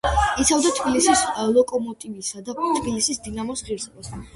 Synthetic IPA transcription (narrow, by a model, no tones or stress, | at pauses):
it̪sʰavd̪at̪ʰbilisislˠɔkʼɔmɔt̪ʼivisad̪at̪ʰbilisisd̪inamɔsʁiɾsɛbas